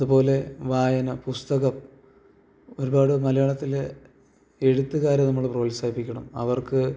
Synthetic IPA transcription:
ɐðupo̞ːle̞ʋaːjɐnɐpust̪ɐɣɐm | o̞ɾubaːɽɨmɐlɐjɐɭɐt̪ːile | e̞ɻut̪ːɨɣaːɾjɐnɐmːɐɭpro̞ːlisaːjipːikʲːɐɳɐmɐ̰ʋɐrkɨ

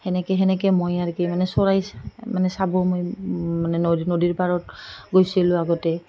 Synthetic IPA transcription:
hɛnɛkɛɦɛnɛkɛmojaɹkimanɛsɔɹajmanɛsabɔmojmanɛnnodiɹpaɹɔtɡojsilʊ̃aɡɔtɛ

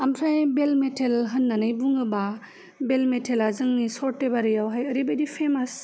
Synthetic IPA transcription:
amsʰajbelmetʰelɦənːanɯjbuŋɯba | belmetʰelazɯŋnisɔɾtebaɾɯjawɦajɐɾibejdipʰemas

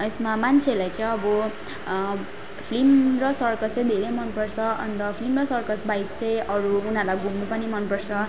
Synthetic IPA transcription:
esmamant͡sʰelajt͡sʌ̃ʌbʌ | pʰlimrʌsʌrkʌt͡st͡sʌj̃d̪ʱeɾemʌnpʌrt͡sʰʌʌ̰nt̪ʌpʰlimrʌsʌrkʌsbajt̪̚t͡sʌj̃ʔʌɾuːnalajɡʱumnupʌnimʌnpʌrt͡sʰʌ

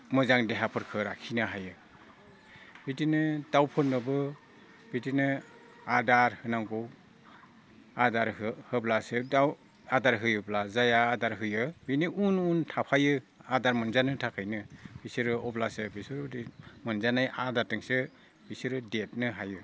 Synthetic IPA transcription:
mɯzaŋdeɦapʰɯɾkʰɯɾakʰinɯɦajɯ | bitinɯdawpʰɯnːɯbɯ | b̥itinɯ | adaɾhɯnaŋɡɔw | adaɾhɯhɯblasɯda | adaɾɦɯjɔblazajaːdaɾɦɯjɯbiniʔununtʰapʰajɯadaɾmɯnzanɯtʰakʰɯjnɯb̥isɯɾɯɔblasɯbisɯɾdmɯnzanajʔadaɾtɯŋsɯ | b̥isɯɾɯdet̚nɯɦajɯ

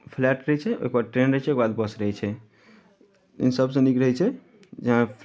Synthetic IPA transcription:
pʰlɛʈɾəɦɛt͡ʃʰɛo̰ekbaʈɾenɾəɦɛt͡ʃʰɛoekbad̪bəsɾəɦɛt͡ʃʰɛ | ḛnsəbsə̃nikɾəɦɛt͡ʃʰɛ | d͡ʒəɦãpʰ

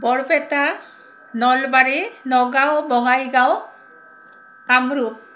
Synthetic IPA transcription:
bɔɽpɛta | nɔlbaɾinɔɡawbɔŋajɡaw | amɾu

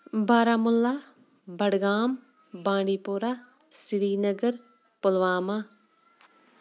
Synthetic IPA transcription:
baːɾaːmʊlːaː | bəɽɡaːm | bãːɖiːpoɾaː | sɪɾiːnəɡəɾ | pʊlʋaːmaː

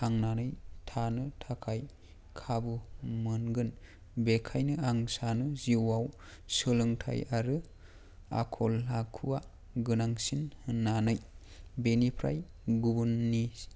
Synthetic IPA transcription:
aŋnanɯjtʰanɯtʰakʰaj | kʰabɯmɯnɡɯn | bekʰajnɯaŋsanɯziwaw | sɯlɯŋtʰa̰jaɾɯ | a̰kʰɔlːakʰuwa | ɡɯnaŋsinhɯnːanɯjbenipʰɾa̰j | ɡubunːi

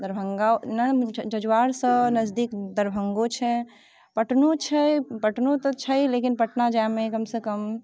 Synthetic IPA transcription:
d̪əɾbʱəŋɡanəd͡ʒəd͡ʒwaɾsə̃nəzd̪ikd̪əɾbʱəŋɡot͡ʃʰɛ | pəʈnot͡ʃʰəjpəʈnot̪ɔt͡ʃʰəjlekinpəʈnad͡ʒamekəmsə̃kəm

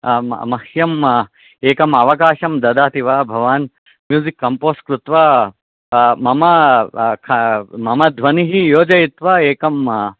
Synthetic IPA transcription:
mɐhjɐm | eːkɐmɐʋɐkaːʃɐmd̪ɐd̪aːt̪iʋaːbʱɐʋaːn | mjuːzikːɐmpoːskɾut̪ʋɐ | mɐmɐkʰɐmɐmɐd̪ʱʋɐniɦijoːd͡ʒɐjit̪ʋɐeːkɐm

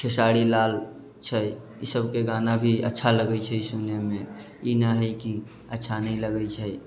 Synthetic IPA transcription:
kʰesaɽilal | t͡ʃʰə | isəbkeɡanabʱiə̰tːʃʰaləɡəjt͡ʃʰəisunemẽ | inəɦəjki | ətːʃʰanəĩləɡət͡ʃʰəj

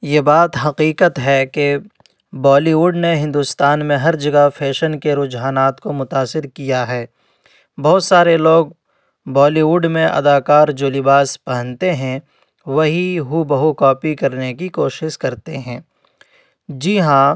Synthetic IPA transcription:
jeːbaːt̪ɦɐqiːqət̪ɦɛke | bɔːliʋuːɖneɦɪ̃nd̪ʊst̪aːnmẽɦɐɾd͡ʒɐɡafʰɛːʃənkeɾʊd͡ʒɦaːnaːt̪komʊt̪aːsɪɾkijaɦɛː | bɐɦːt̪saːɾeloːɡ̚ | bɔːliuːɖmẽʔɐ̰d̪aːkaːɾd͡ʒoːlɪbaːspɐɦə̃nt̪eɦɛ̃ | ʋɐɦiɦubɐɦukɔːpikɐɾnekikoːʃɪʃkɐɾt̪eɦɛ̃ː | d͡ʒiɦã

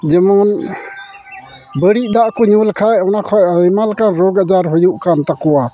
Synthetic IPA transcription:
d͡ʒemɔn | bəɾiʔ̚daʔkuɲulkʰajawnakʰɔjimalkanɾɔɡad͡ʒaɾɦɔjuʔkant̪akɔwa

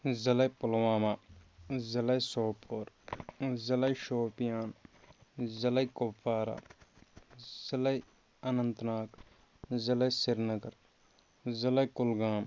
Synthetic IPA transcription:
zɐlɐjpʊlwaːmaːzɐlɐjsoːpʰoːɾ | zɐlɐjʃoːpijaːn | zɐlɐjkopʰːaːɾa̰ː | z̥ɐlɐj | ɐnɐnt̪naːk | zɐlɐjsɪɾnɐɡɐɾ | zɐlɐjkʊlɡaːm

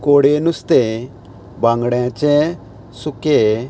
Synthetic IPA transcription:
koːɽenʊst̪e | bãŋɡɽɛ̃t͡ʃɛ | sʊke

